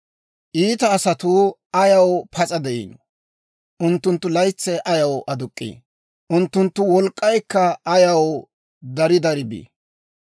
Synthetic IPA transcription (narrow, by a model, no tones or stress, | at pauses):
ʔiːt̪ɐːsɐt̪ʊɐjɐwpʰɐt͡sʼɐd̪ɛʔḭːnɔ | ʔʊnt̪ːʊnt̪ːʊlɐjt͡sːɛʔɐjɐwʔɐd̪ʊkʼːḭː | ʔʊnt̪ːʊnt̪ːʊwɔlkʼːɐjkːɐːjɐw | d̪ɐɾɪd̪ɐɾɪbḭː